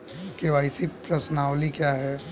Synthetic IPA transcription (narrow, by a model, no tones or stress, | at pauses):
keʋaɪsipɾɐsnaːwlikjaɦɛ